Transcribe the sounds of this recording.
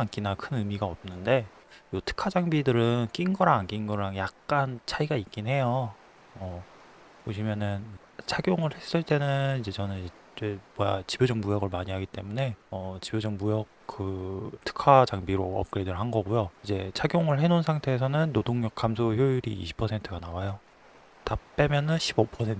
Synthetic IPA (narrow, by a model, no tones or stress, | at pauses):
ank͈inakʰɯnɯmiɡaʌp̚nɯnde̞ | jotʰɯ̥kʰad͡ʑaŋbidɯɾɯnk͈inɡʌɾaŋk͈inɡʌɾaŋjak̚k͈ant͡ɕʰaiɡaik͈̚inɦe̞jʌ | ʌ | poɕʰimjʌnɯn | t͡ɕʰaɡjoŋɯɭhe̞s͈ɯɭt͈e̞nɯnid͡ʑe̞t͡ɕʌnɯn | t͡ɕemʌjat͡ɕibjod͡ʑʌŋmujʌɡɯɭmaɲiɦaɡit͈e̞mune̞ʌt͡ɕibjod͡ʑʌŋmujʌk̚k͈ɯtʰɯ̥kʰad͡ʑaŋbiɾoʌ̰p̚k͈ɾedɯɭɦanɡʌɡujoid͡ʑe̞t͡ɕʰaɡjoŋɯɭɦe̞nonsʰaŋtʰe̞ːs̬ʰʌnɯnːodoŋɲjʌk͈ʰamsʰoçjojuɾḭːɕʰi̥pʰʌsʰe̞ntʰɯɡanawajo | tap͈e̞mjʌnɯnɕʰibopʰʌsʰe̞n